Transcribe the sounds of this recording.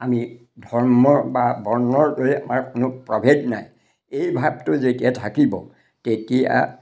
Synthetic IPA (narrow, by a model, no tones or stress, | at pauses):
ami | dʱɔɹmɔbabʱɔɹnɔɹloja̰maɹkʊnʊpɹɔbʱednaj | ejbʱab̚tʊzetijatʰakibɔ̰ | tetija̰